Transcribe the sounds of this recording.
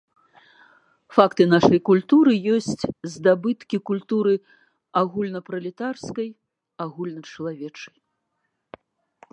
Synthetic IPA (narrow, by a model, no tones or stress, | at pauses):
fakt̪ɨnaʂɐjkulʲt̪uɾɨjɔsʲt͡sʲzd̪abɨt̪kʲikulʲt̪uɾɨ | aɣulʲnɐpɾɐlʲit̪arskɐj | aɣulʲnɐt͡ʂɐlˠavʲɛt͡ʂɐj